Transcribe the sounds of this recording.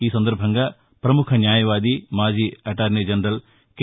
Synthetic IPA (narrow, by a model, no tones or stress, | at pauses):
iːsɐnd̪ɐɾbʱɐŋɡɐ | pɾɐmukʰɐnjaːjɐʋaːd̪imaːd͡ʒiːɐʈaːɾned͡ʒɐnɾɐl | k